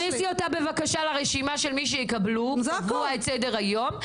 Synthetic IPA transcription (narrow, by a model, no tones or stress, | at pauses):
nisiotabe̞vakaʃalaʁeʃimaʃelmiʃ̬ejikablukuaetsede̞ʁajo̞m